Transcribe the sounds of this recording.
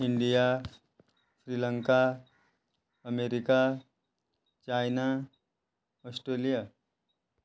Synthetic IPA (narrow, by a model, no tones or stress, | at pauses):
iɳɖija | fɾiːləŋka | əmeɾika | t͡ɕajna | ɔsʈɾelija